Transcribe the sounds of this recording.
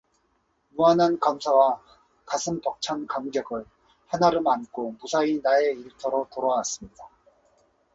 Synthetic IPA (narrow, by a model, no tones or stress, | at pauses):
muanankamsʰawa | kasʰɯmtʌk̚t͡ɕʰankamɡjʌɡɯɭ | hanaɾɯmankʰomusʰainaeiɭtʰʌɾotoɾaas͈ɯmɲida